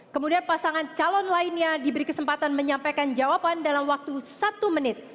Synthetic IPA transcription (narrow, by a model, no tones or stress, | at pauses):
kəmudianpasaŋant͡ʃalɔnlainɲadibəɾikəsəmpat̪anməɲampajkand͡ʒawapandalamwak̚t̪usat̪umənɪt̪̚